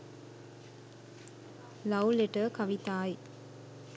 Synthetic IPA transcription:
lɐwleʈəkɐʋit̪aːj

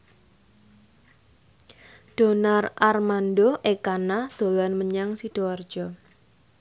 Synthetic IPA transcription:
ɖ̥o̤narʔarmandoʔekanad̪̥o̤lanməɲaŋsid̥oard̥ʒ̥ɔ

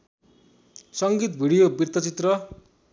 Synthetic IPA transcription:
sʌŋɡit̪bʱiɽijobirt̪ʌt͡sit̪rʌ

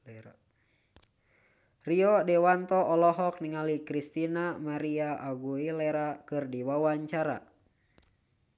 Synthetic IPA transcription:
riɔdɛwant̪ɔɔlɔɦɔk̚niŋalikɾist̪inamaɾiaʔaɡuilɛɾakɨrdiwawaɲt͡ʃaɾa̰

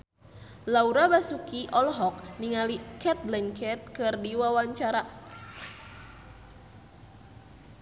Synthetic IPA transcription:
lauɾabasukiʔɔlɦɔkniŋalikɛt̪̚lɛnkʰɛt̪̚kɨrdiwawaɲt͡ʃaɾa

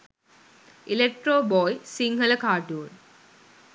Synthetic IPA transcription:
ilek̚ʈroːboːjsiŋɡɐlɐkaːʈːuːɭ

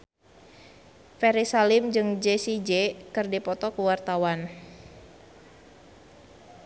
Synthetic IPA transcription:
fɛɾisalɪmd͡ʒɨŋd͡ʒesid͡ʒekɨrdipɔt̪ɔkuwart̪awan

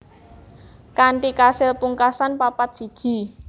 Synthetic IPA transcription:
kaɳʈikasɪlpuŋkasanpapat̪̚si̤d̥ʒ̥i̤

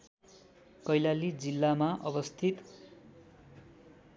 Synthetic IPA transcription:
kʌjlalid͡zilːamaʔʌbʌst̪ʰit̪

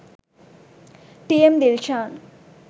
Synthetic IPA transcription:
ʈiemd̪ilt͡ʃaːn

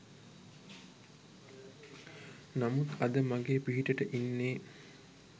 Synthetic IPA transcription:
namut̪ad̪əmaɡeːpiɦiʈəʈəʔinːeː

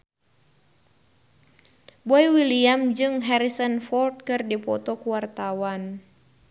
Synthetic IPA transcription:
bɔjwiliamd͡ʒɨŋɦɛɾisənfɔlt̪̚kɨrdipɔt̪ɔkuwart̪awan

